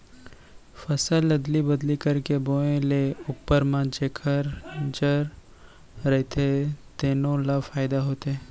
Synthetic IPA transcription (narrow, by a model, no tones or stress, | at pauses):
fɐsəlɐd̪libɐd̪likɐɾkeboːẽleʊpːəɾmãd͡ʒeːkʰəɾd͡ʒəɾː | ɛɦt̪ʰet̪eːnõlafaːɪd̪aɦoːt̪eɛː